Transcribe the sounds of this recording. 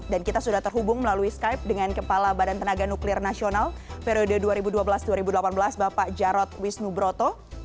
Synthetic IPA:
dankit̪asudaht̪ərɦubʊŋməlaluiskajp̚dəŋankəpalabadant̪ənaɡanuklɪrnasionalpeɾiodəduaɾibuduabəlasduaɾibudəlapanbəlasbapaʔd͡ʒaɾɔt̪̚wisnubɾot̪ɔ

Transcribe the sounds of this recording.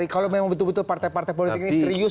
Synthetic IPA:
ikalomemaŋbət̪ʊlbət̪ʊlpart̪ajpart̪ajpolit̪ɪk̚nisɾiʊ

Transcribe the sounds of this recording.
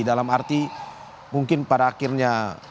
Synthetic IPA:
idalamart̪i | muŋkɪnpadaːkɪrɲa

